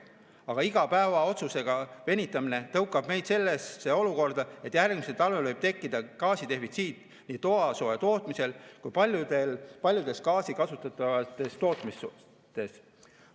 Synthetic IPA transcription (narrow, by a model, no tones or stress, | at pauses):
ɑɡ̥ɑiɡ̥ɑpæevɑo̞t̪suse̞ɡ̥ɑve̞nʲit̪ːˑɑmine̞t̪ɤwkːˑɑb̥me̞jd̪̥se̞lːe̞sːeːo̞luko̞rd̪̥ɑe̞t̪ːˑjærɡmiselt̪ɑlvelvɤjb̥̚t̪e̞kːid̪̥ɑkɑːsit̪e̞fit̪siːt̪ˑ | niːt̪o̞ɑso̞et̪o̞ːt̪ˑmise̞lkujpɑu̥elpɑlʲjud̪̥e̞skɑːsikɑsut̪ːˑɑt̪ːˑɑvɑt̪ːˑe̞st̪o̞ːt̪ˑmis | t̪ˑe̞s